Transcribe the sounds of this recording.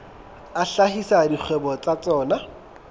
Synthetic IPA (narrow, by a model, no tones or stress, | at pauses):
aɬahisadik͡xʰwɛbɔt͡sat͡sɔːna